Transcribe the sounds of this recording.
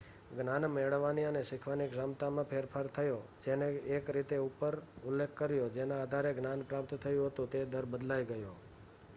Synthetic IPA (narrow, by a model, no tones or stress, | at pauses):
ɡnanmeɭʋaniəneʃɪkʰʋaniɡzamt̪amãpʰeɾpʰaɾt̪ʰəjod͡ʒeneːkɾit̪eupəɾʊlːekʰkːəɾjod͡ʒenaːd̪ʱaɾeɡnanpɾap̚t̪t̪ʰəjũɦət̪ũt̪ed̪əɾbəd̪lajɡəjo